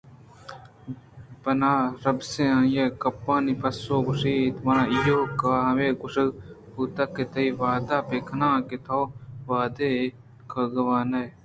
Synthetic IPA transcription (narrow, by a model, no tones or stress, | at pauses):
bɐnaːɾɐbseãːjekɐpːãːnipʰɐsoːɡʊʂiːt̪ʋɐnãijoːkaːɦɐweːɡʊʂɐput̪ɐkːet̪ʰɐiʋaːd̪aːpeːkʰɐnãːket̪ʰoːʋaːd̪eː | kʰɐɡɐʋaːnɐj